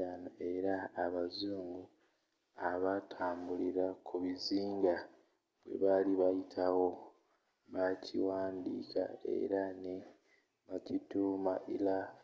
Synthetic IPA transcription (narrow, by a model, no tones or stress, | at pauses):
anoe̞ɾaːβazuːŋɡu | aβatʰaːmbuliɾakʰuβiziːŋɡa | βwe̞̰βaliβajitʰawo̞ | βacʰiwaːndḭkʰa̰ḛɾane | βacituːmaʔila